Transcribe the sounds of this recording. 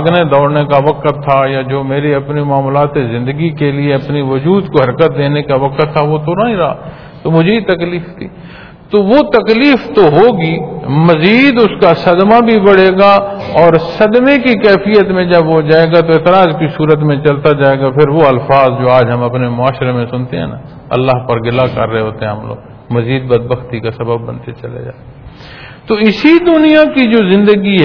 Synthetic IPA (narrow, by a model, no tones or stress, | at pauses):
ɡned̪ɔːɽnekaʋɐkt̪ʰːajad͡ʒoːmeːɾiɐpnimaːmlaːt̪ezɪ̃nd̪əɡikelieɐpniʋʊd͡ʒuːd̪koɦɐɾkət̪̚d̪eːnekaʋɐkət̪ʰːaʋot̪ʰoɾaːĩɾɐɦa̰ | t̪omʊd͡ʒʱeit̪ɐkliːft̪ʰiː | t̪oʋot̪ɐkliːft̪oɦoːɡimɐziːd̪ʊskasɐd̪mabʱibɐɽeːɡaɔːɾsɐd̪mekikɛːfijət̪mẽd͡ʒɐbʋod͡ʒaːeːɡat̪oeːt̪ɪɾaːzkisuːɾət̪mẽt͡ʃɐlt̪ad͡ʒaːeːɡapʰɪɾʋoɐlfaːzd͡ʒoːaːd͡ʒɦɐmɐpnemʊaːʃɾemẽsʊnt̪eɦɛ̰ːna̰ | ɐ̰lːaːɦpɐɾɡɪlakɐ̰ɾːəɦeɦoːt̪eɦɛ̃ɦɐmlo̰ːɡ | mɐziːd̪̚bɐd̪̚bəxt̪ikasɐbəbːɐ̰nt̪ḛt͡ʃɐlḛd͡ʒa̰ːt̪e | t̪oɪsid̪ʊnijakid͡ʒoːzɪ̃nd̪əɡiɦɛ